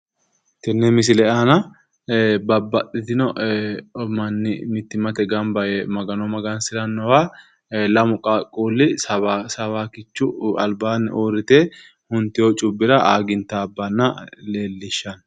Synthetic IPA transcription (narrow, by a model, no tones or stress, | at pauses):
t̪ɛnːɛmɪs̬ɪlɛanɐ | bɐbːɐt̪ʼːɪt̪ɪnɔ | mɐnːɪ̰mɪt̪ːɪmɐt̪ɛɡɐmbɐjɛmɐɡɐnɔmɐɡɐnsɪɾɐnːɔwa | lɐmʊkʼakʼuːlːɪsɐasɐβaːkɪt͡ʃːʊɐ̰lbaːn̰ːʔoːɾɪt̪eː | hʊnt̪ːɪjot͡ʃʼʊbːɪɾɐʔaːɡɪnt̪ːaːbːɐnːɐle̞ːlːɪʃːɐn